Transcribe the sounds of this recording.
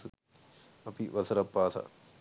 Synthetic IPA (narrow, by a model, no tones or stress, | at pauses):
u | ɐpʰiʋɐsɐɾɐpːaːsʰɐ̰